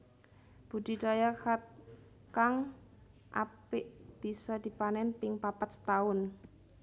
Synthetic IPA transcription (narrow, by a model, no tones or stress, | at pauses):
b̥ud̪̥i̤dajakat̪̚ | kaŋ | ʔa̰pɪʔb̥isɔd̪̥ipanɛnpɪŋpapat̪t̪aʊn